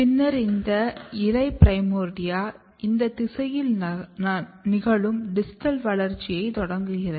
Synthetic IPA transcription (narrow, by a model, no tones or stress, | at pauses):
pɪnːɐɾɪnd̪ɐɪɾɐɪpɾɐɪmoːɾɖɪjaː | ɪnd̪ɐt̪ɪsɐjɪl | nɪɣɐɭɯmɖɪsɪ̥ʈɐlʋɐɭɐɾt͡ʃːɪjɐɪt̪ɔɽɐŋɡɯɣɪrɐð